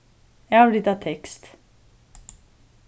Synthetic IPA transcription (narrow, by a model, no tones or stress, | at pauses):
jæɪhɑblɪt̪ːɑt̪ʰɛkst̪